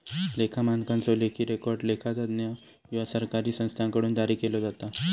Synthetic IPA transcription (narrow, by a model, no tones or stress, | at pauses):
lekʰamankãnt͡sɔlekʰiːɾekɔɾɖlekʰat̪ad̪nja | ʋiʋasəɾkaɾiːsə̃st̪ʰãŋkəɽuːnd̪aɾiːkelod͡zat̪a